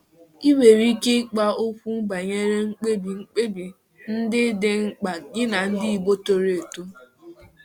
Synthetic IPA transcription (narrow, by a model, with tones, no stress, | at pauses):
i˦we˨ɾi˦ke˦k͡pa˦o˦kʷu˦ba˨ɲe˦ɾe˦ŋ͡m̩˦k͡pe˦bi˨ŋ͡m̩˦k͡pe˦bi˨ | n̩˦dɪ˦de˦ŋ͡m̩˦k͡pa˨ɡɪ˦na˨n̩˦dɪ˦i˨bo˦to˨ɾe˨e˨tu˦